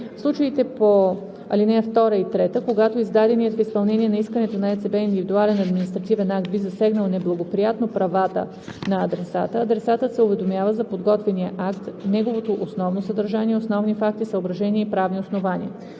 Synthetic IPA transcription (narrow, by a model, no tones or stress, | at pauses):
fslˠut͡ʃəit̪ɛpo | ɐlinɛft̪ɔɾəit̪ɾɛt̪əkoɡat̪oizd̪ad̪ɛniɛt̪fispɐlˠnɛniɛnɐiskənɛt̪onɐɛt̪sɛbɛind̪ivid̪ualɛnɐd̪minist̪ɾɐt̪ivɛnak̚t̪̚bizɐsɛɡnəlˠnɛblˠɐɡopɾijat̪nopɾɐvat̪ə̰ | nɐːd̪ɾɛsa̰t̪əːd̪ɾɛsat̪əsɛʊvɛd̪omʲjavəzɐpod̪ɡɔt̪vɛnijəʔakt̪nɛɡovot̪oʔosnɔvnosəd̪ɐɾʒaniɛosnɔvnifak̚t̪isəobɾɐʒɛniɛipɾavnʲiosnovanḭə̰